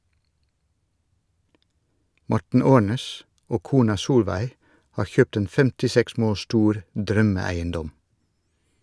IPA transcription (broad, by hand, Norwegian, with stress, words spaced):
ˈmɔʈɳ̩ ˈoːɳeːs ˈoː ˈkuːnɑ ˈsuːlʋæɪ ˈhɑːɾ ˈçøːpt ˈeːn fɛmtɪˈsɛks ˈmoːl ˈʃtuːɾ ˈdɾœməˌæɪənˌdɔm